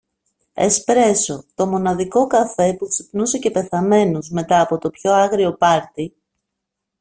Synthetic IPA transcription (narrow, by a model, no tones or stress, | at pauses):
e̞̰spɾe̞so̞t̪o̞mo̞nɐðiko̞kɐfe̞puksipnuse̞ce̞pe̞θɐme̞nuzme̞t̪ɐːpo̞t̪o̞pço̞ɐɣɾio̞pɐɾt̪i